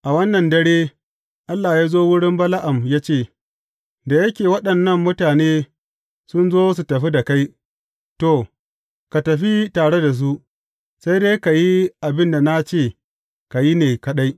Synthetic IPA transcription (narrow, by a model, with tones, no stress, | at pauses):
ʔa˨wɐ˦nːɐ˨ndɐ˦ɽeː˦ | ʔa˦lːa˨jaː˦zoː˦wʊ˦ɽɪ˦mbɐ˦la˦ʔa˨mjaː˦t͡ʃeː˦˨ | da˨jɐ˦kʲeː˨wɐ˦ɗɐ˨nːɐ˦˨mːʊ˦taː˨neː˦ | sʊ˦nzoː˦s̬u˨tɐ˨ɸi˦da˨ka˦j | to˨ | ka˨tɐ˨ɸi˦taː˨ɽe˦da˨s̬u˦ʔ | sa˦jde˦jka˨ji˦ʔa˨bɪ˦nda˨na˦t͡ʃeː˦˨ | ka˨ji˦neː˨kɐ˦ɗa˦j